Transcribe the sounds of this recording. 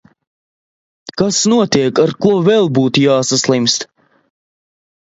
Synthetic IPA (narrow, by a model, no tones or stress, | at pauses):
kasnuɔt̪iɛkaɾkuvɛlˠbuːt̪ujaːsaslˠimst̪